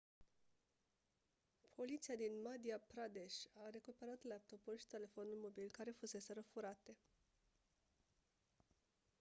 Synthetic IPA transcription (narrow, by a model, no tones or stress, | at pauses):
pʰo̞lit̪siad̪inmad̪iapɾad̪e̞ʃaɾe̞kupe̞ɾat̪leap̚t̪opoʃi̥t̪e̞le̞fo̞nulmo̞bilkaɾe̞fuse̞se̞ɾəfuɾat̪e̞